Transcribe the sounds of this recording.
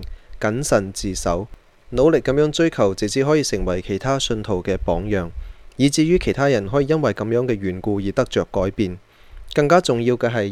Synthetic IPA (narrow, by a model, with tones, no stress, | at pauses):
kɐ˨˥nsɐ˨˩nt͡siː˨sɐ̰˨˥w | no˨˧wlɪ˨kːɐ˨˥mjœː˨˥ŋt͡ʃɵ˥ɥkʰɐ˨˩wt͡sɪ˨˩t͡sʰiː˨˥ɦɔː˨˥jiː˧sɪ˨˩ŋwɐ˨˩jkʰe˨˩jt̪ʰaː˥sɵ˧nt̪ʰo˨˩wkɛː˧pɔː˨˥ŋjœː˨˩ŋjiː˨˧t͡siː˧jyː˥kʰe˨˩jt̪ʰaː˥jɐ˨˩nɦɔː˨˥jiː˧jɐ˥nwɐ˨˩jkɐ˨˧˥mjœː˨˥ŋkɛː˧ɥyː˨˩nkuː˧jiː˨t̪ɐ˥k̚t͡ʃœː˨˩kːɔː˨˥jpiː˨n | kɐ˧ŋkaː˥t͡sʊ˨ŋjiː˧wkɛː˧ɦɐ˨j